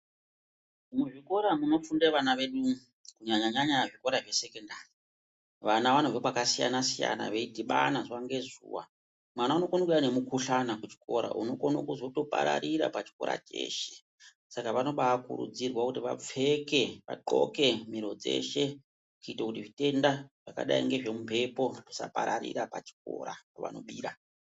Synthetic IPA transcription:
muʐiko̞ɾamuno̞fundeʋanaʋe̞ɗu | kuɲaɲaɲaɲaʐiko̞ɾaʐe̞se̞kendaːri | ʋanaʋanovekwakasija̰nasija̰na̰ʋe̞idʱiɓanaʐaŋɡe̞zṵːwa̰ | mwanaunokonokane̞mukuɬanakut͡ʃi̥ko̞̰ɾa̰ʔuno̞konokuzo̞to̞pa̰ɾa̰ɾiɾa̰pat͡ʃi̥ko̞̰ɾa̰t͡ʃe̞̰ːʃe̞̥ | sakaʋano̞ɓaakṵɾṵd͡zirwakutiʋa̰p͡fe̞ke̞ʋa̰ǃoke̞miɾo̞d͡ze̞ʃe̞ | kuitokutiʐite̞ndaʐ̥aka̰ɗaḭŋɡe̞ʐemupe̞po̞ʐisa̰paɾaɾḭɾapat͡ʃi̥k̚o̰ɾapaʋa̰no̞̰ɓiːɾa

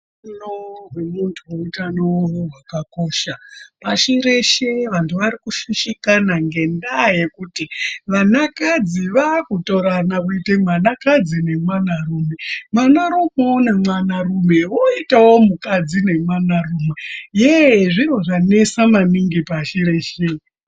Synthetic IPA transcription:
nowemuntʰuwoitanowoɦwakako̞ːʃapaʃiɾe̞ʃe̞ʋantʰuʋaɾikuʃiʃikanaŋɡe̞ndaje̞kutiʋanakad͡ziʋakuto̞ɾanakuitemwanakad͡zine̞mwanaruːme̞mwanaɾomeonemwanarume̞ʋoitawo̞mukad͡zine̞mwanarumwejeʐiro̞ʐane̞samaniŋɡipaʃiɾe̞ːʃe

